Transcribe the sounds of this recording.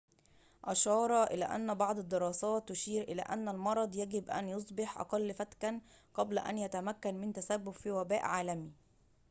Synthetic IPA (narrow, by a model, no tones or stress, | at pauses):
ʔɑʃɑːɾˤɑʔɪlæ̰ːʔæ̰nːbɑʕd̪ˤɑd̪ːeɾɑːsɑːt̪ːʊʃiːɾʔɪlæ̰ːʔænːælmɑɾˤɑd̪ˤjæɡɪbʔæ̰njosˤbɪħʔɑ̰qɑlːfæt̪kænqɑblæʔæ̰njæt̪æmækːænmɪnt̪æsæbːʊbfiːwæbæːʔʕaːlæmi